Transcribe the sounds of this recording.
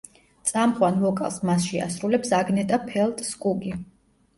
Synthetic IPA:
t̪sʼamχwanvɔkʼa̰lˠsmasʃia̰sɾulɛpsaɡnɛt̪ʼapʰɛlˠt̪ʼskʼuɡi

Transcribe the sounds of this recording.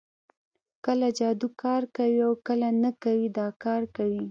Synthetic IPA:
kəlad͡ʒɑd̪ukɑɾkawiawkəlanakawid̪ɑkɑɾkawi

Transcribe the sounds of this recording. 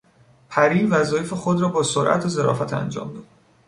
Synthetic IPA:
pʰæɾiːvæzɒːjefexod̪rɒːbɒːsoɾʔæ̰t̪ʰezeɾɒ̰ːfæt̪ʰæ̰nd͡ʒɒ̰ːmd̪ɒːd̪

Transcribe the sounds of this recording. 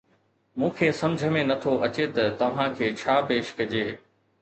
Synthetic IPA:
mũːkʰeːsɐ̃md͡ʑʱəmẽnɐt̪ʰoʔɐt͡ɕet̪ɐt̪ɐʋ̤ãkʰeːt͡ɕʰaːpeːʃkɐd͡ʑeː

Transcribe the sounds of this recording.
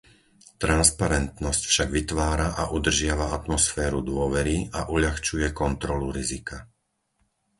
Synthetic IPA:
t̪ɾanspaɾɛnt̪nɔscfʃaɡʋit̪ʋaːɾaʔaʔud̪r̩ʒɪaʋaat̪mɔsfɛːɾud̪ʊɔʋɛɾiaʔuʎaxt͡ʃujɛkɔnt̪ɾɔluɾizika

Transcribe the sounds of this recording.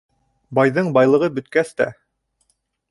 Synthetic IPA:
bɑjðɤɴbɑjlˠɤ̆ʁɤbɵ̆t̪̚kæst̪æ̰

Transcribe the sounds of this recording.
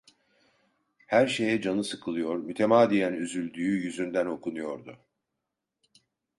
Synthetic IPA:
hæɾʃe̞jɛd͡ʒanɯsɯkʰɯlˠɯjo̞ɾmyt̪ʰe̞maːd̪ijænyzylʲd̪yːyjyzynd̪æno̞kʰunujo̞ɾd̪ʊ

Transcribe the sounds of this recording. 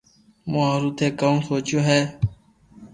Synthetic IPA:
mõːɾuːt̪ʰeːkə̃msoːt͡ʃjoːɦɛː

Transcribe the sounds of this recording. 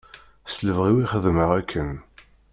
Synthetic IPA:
sləvʁiwiχəðməʁækʰːən

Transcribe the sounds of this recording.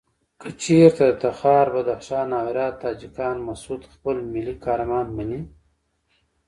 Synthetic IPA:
kət͡ʃeɾt̪ad̪ət̪axɑːɾbad̪axʃɑːnːɑːwɪɾjɑːt̪ːɑːd͡ʒikɑːnmasud̪xpəlmilikɑːɾamɑːnmani

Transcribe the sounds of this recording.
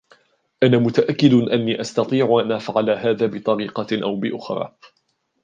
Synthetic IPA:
ʔanaːmʊt̪aʔakːɪd̪ʔanːiːʔast̪ɑt̪ˤiːʕʔanaːfaʕalaːɦaːðaːbɪt̪ˤɑɾiːqɑʔawbɪʔʊxɾˤɑ̰ː

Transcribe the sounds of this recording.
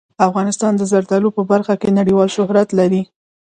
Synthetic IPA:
afɣɑnɪst̪ɑnd̪əzaɾt̪alopəbaɾxakenaɽiwɑlʃʊhɾat̪laɾi

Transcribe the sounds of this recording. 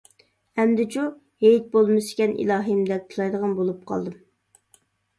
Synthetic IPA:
ɛmd̪ɪt͡ʃʰu | hejt̪̚bolˠmɨsɪ̥kʲɛnʔḭlˠɑːɦɨmd̪ɛk̚t̪ʰulˠɑjd̪əʁɑnbolˠup̚qʰɑ̰lˠd̪ɨm

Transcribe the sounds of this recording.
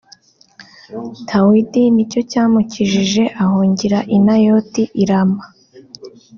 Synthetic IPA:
tʰawidinico̞caːmuciʒiʒe̞ʔaɦoːɲɟiɾaʔinajo̞tiʔiɾama

